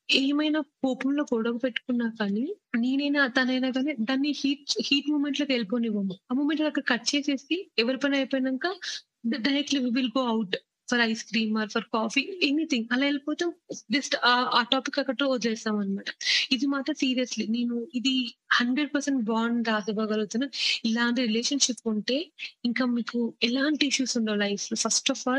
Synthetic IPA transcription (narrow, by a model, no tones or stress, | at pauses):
eːmɐjnapoːpumloːkoːɽokupeʈːu̥kunːaːkaːnineːnɐjnat̪ɐnɐjnaːɡaːneːd̪aːnːihiːʈhiːʈmuːmeɳʈlokeliponiʋɐmuaːmuːme̞ɳʈlɐkːɐɽɐkɐʈ̚ːt͡ʃe̞ːse̞ːsiɛʋɐɾipɐnɐjpoːjnɐŋkaː | ɖɐɾek̚ʈliʋiːʋilɡoːɐwʈ | pʰɐɾɐjskɾiːmɐːɾpʰɐɾkaːfienit̪ʰiŋɡɐlaːelipɔːt̪ɐmd͡ʒɐsʈːaːʈaːpikːɐkːɐʈːood̪ilɛːsaːmɐnimaːʈɐ̥id̪imaːʈ̪ɐsiːɾijɐsline̞ːnuid̪ihɐɳɖɾeɖ̚pɐɾseɳʈbaːɾnd̪aːsɐbɐːɡɐlut̪ːunɐilaːɳʈiɾileːʃɐnʃipːuɳʈe̞ːiŋkaːmiːkuɛlaːɳʈiiʃjuːsuɳɖɐʋlɐjfpʰɐɾsʈɔːfaːl